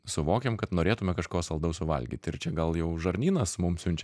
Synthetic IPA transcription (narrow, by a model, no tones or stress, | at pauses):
sʊʋoːkʲemkɐt̪noːɾʲeːt̪ʊmʲɛkɐʃkoːsɐlˠd̪ɐʊsʊʋɐ̰lʲɡʲḭːt̪ɪɾt͡ʃʲɛɡɐlˠjɛʊʒɐɾʲnʲiːnɐsmʊmsʲʊnʲt͡ʃʲɛ